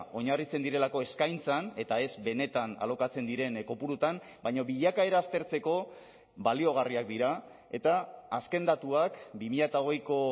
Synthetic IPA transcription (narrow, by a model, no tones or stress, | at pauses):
o̞ɲarit͡se̞nd̪iɾe̞lako̞e̞skajnt͡sane̞t̪ae̞zbe̞ne̞t̪ana̰lo̞kat͡se̞nd̪iɾe̞nko̞puɾut̪am | bajɲoβiʎakaeɾaːst̪e̞ɾt͡se̞ko̞ | balio̞ɣ̞ariak̚d̪iɾa | e̞t̪aːske̞nd̪at̪uakbimiʎat̪ao̞ɣ̞e̞jko̞